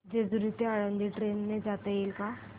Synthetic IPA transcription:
d͡ʒezuɾit̪eaːɽə̃nd̪iʈɾeːnːẽd͡ʒaːt̪eelka

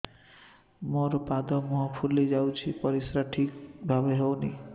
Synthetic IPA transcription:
moɾɔpad̪ɔmɔɦɔpʰulːid͡ʒawt͡ʃʰipɔɾisɾaʈʰikbʱabeɦewni

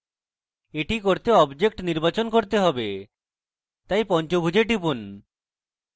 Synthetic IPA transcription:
eʈikoɾt̪eɔbd͡ʑek̚ʈniɾbat͡ɕonkoɾt̪eɦɔbe | t̪ajpɔnt͡ɕobʱud͡ʑeʈipun

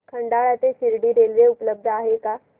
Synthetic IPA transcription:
kʰə̃ɳɖaːɭat̪esɪɾɖiɾeːlɾeʊpləb̚d̪ʱaːɦeka

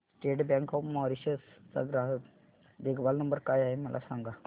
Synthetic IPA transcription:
sʈeʈbãŋkɔpmɔɾiɕəst͡sa̰ɡɾaɦək | d̪ekʰbalnəmbəɾkaːjaɦeməlʔa̰sãŋɡa

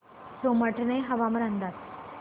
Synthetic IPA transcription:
soməʈneɦəʋaməɾənd̪at̪

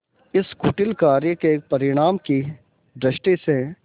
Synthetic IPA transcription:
ɪskʊʈɪlkaːɾjəkepɐɾɪɽ̃aːmki | ɖ̪ɾɪʃʈise

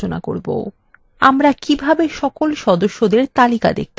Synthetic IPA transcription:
ona̰ko̰ɾbo̰ | amɾakibʱabeʃɔkolʃɔd̪oʃːod̪eɾt̪alika̰d̪ḛk̚t̪

